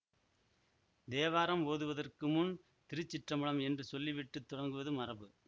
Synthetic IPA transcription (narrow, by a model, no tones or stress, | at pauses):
d̪eːʋaːɾɐmoːðɯʋɐðɐrkɯmʊn | t̪ɪɾɯt͡ʃːɪʈrɐmɯɭɐmɛndrɯsɔlːiʋɪʈːɯt̪ːʊɽɐŋɡɯʋɐðɯmɐrɐbɯ